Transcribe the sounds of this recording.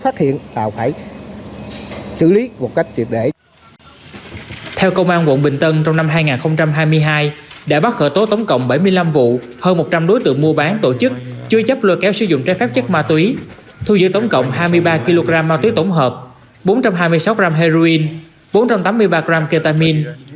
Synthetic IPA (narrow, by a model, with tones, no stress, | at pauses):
faː˦˥t̚hḭ˧˨ənt̪a̰ː˧˨˩wfaː˧˩j | sɨ̰˧˩li˨˦mo˨˩t̚ka˦˥jk̚t͡ɕwi˨˩əɗe˧˩ | t̪ʰɛ˧wkə˧wŋ͡mʔaː˧nkwə̰˧˨nɓï˨˩ŋ̟t̪ə˧nt͡ɕɔ˧wŋ͡mna˧mɦaː˧jŋaː˨˩nxə˧wŋ͡mt͡ɕa˧mɦaː˧jmɨ˧əjɦaː˧jɗa̰ː˧˥ɓa˦˥t̚xə̰ː˧˩t̪o˨˦t̪ə˨˦wŋ͡mkə̰˧˨wŋ͡mɓə˧˩jmɨ˧əjla˧mvṵ˧˨ | həː˧nmo˨˩t͡ɕa˧mɗo˨˦jt̪ɨ̰˧˨əŋmu˧əɓaː˨˦nt̪o˧˩t͡ɕɨ˦˥k̚t͡ɕɨ˧ət͡ɕə˦˥p̚ləː˨˧˩kɛ˨˦wsɨ˧˩zʊ̰˧˨ŋ͡mt͡ɕɛ˧˥fɛː˦˥p̚t͡ɕə˦˥k̚maː˧t̪wi˨˦ | t̪ʰu˧zɨ̰˧˥t̪ə˨˦wŋ͡mkə̰˧˨wŋ͡mhaː˧jmɨ˧əjɓaː˧ki˧lo˧ɣɾaː˧mːaː˧wt̪wi˨˦t̪o˧˩wŋ͡mɦəː˨˩p̚ | ɓo˨˦nt͡ɕa˧mɦaː˧jmɨ˧əjsa˨˦wkzaː˧mɦɛ˧zo˧ʔi˧n | ɓo˨˦nt͡ɕa˧mt̪aː˨˦mːɨ˧əjɓaː˧kɾaː˧mke˧t̪aː˧mi˧n